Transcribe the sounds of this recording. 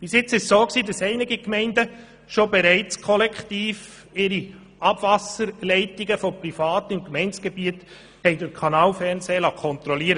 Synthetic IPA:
b̥ɪsjɪt͡sɪʃsoːksiːdɑsɛɪnɪɡikmɛɪndə | ʃobɛɾɛɪt͡skʰɔlɛkχtiːf | ɪɾi | ʔɑb̥vɑsəɾlɛɪtiɡəfɔprifɑːt̪ɪmkmɛɪnt͡sɡ̥ɛbiət | hɛɪdɪɾkʰɑnɑːlfɛɾnseːlɑkʰχɔnt̪ɾɔliːəɾə

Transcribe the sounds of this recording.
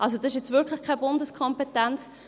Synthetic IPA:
ʔɑls̬odɑsɪʃ̬jɛt͡svɪɾkʰləχkʰabʊndəskʰɔmpetɛnt͡s

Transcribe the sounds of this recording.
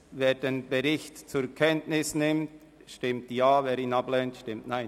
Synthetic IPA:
veːɾdenb̥ɛɾɪçtt͡sʊkʰɛntnɪsnɪmt | ʃtɪmtjaːveːɾiːnɑblɛntʃtɪmtnaɪn

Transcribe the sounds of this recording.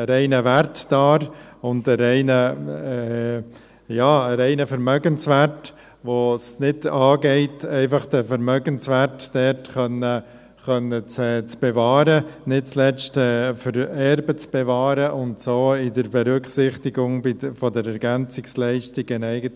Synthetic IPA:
əɾɛɪnəʋæɾtd̥ɑːɾʊndəɾɛɪnəɛ | jɑːəɾɛɪnəfəɾmœɡənsʋæɾt | ʋosnɪdɑːɡɛɪtɛɪfɑχd̥əfəɾmœɡənsʋæɾtd̥ɛɾtχœnə | χœnːət͡sɛːt͡sb̥ɛvɑːɾənɪt̚t͡slɛt͡ʃtɛfəɾɛɾbət͡sb̥ɛvɑːɾəʔʊntsoːɪdəɾbɛɾʏkχsɪχtɪɡʊŋbɪfɔdəɾɛɾɡænt͡sɪkslɛɪʃtɪɡɪnɛɪɡət

